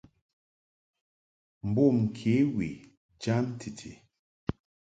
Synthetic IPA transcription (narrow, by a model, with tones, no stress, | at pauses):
m̩˨bo˦˨m˨kʰe˨˦wi˨ | d͡ʒa˦ntʰi˨tʰḭ˨